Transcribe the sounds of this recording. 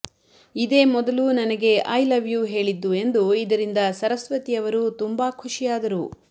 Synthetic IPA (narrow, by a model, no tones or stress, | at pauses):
id̪e̞ːmɔd̪ɐlunɐnɐɡe̞ʔɐjlɐʋjuːɦe̞ːɭid̪ːue̞nd̪uid̪ɐɾind̪ɐsɐɾɐsʋɐt̪ijɐʋɐɾut̪umbakʰuʂijaːd̪ɐɾu